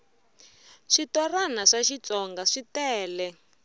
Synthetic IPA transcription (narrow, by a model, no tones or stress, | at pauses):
ʂitɔranaʂaʃit͡sɔŋɡaʂitɛːlɛ